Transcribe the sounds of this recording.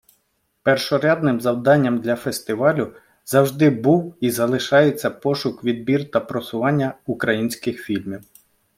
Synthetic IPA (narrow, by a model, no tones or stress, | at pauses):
pɛrʃɔɾʲad̪nɪmzɐwd̪ɑnʲːɐmd̪lʲɐfest̪ɪʋɑlʲʊ | zɐwʒd̪ɪbuwizɐlˠɪʃɑjet͡sʲːɐpɔʃʊkʋʲid̪̚bʲirt̪ɐpɾɔsʊʋɑnʲːɐʊkɾɐjinʲsʲkɪxfʲilʲmʲiw